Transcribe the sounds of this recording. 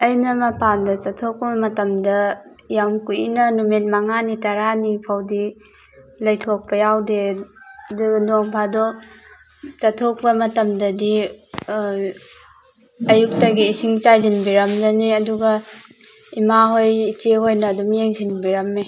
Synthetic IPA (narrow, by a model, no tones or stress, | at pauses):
ɐjnɐmɐpʰandɐt͡ʃatʰok̚pɐmɐtɐmdɐ | jamkuḭnɐnumet̚maŋanitaɾanipʰawdi | lɐjtʰok̚pɐjawde | dnoŋpʰadɔ | t͡ʃatʰok̚bɐmɐtɐmdɐdi | ɐjuk̚taɡiːsiŋt͡ʃajzinbiɾɐmd͡ʒaniɐduɡɐ | imaɦojt͡ʃeɦojnɐːdumjeŋzinbiɾɐmːe